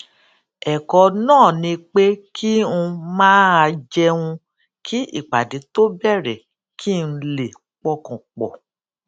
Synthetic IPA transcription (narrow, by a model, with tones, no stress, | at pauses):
ɛ˨kɔ˧nãː˦˨nĩ˧k͡pe˦kʰi˦ũ˧mãː˦a˧d͡ʒɛ˧ũ˧ | kʰi˦ḭ˦˨k͡pa˨de˨˦to˦bɛ˦˨ɾɛ˨ | kʰi˦˨n̩˧le˨ | k͡pɔ˧kɔ̃˨k͡pɔ̰˨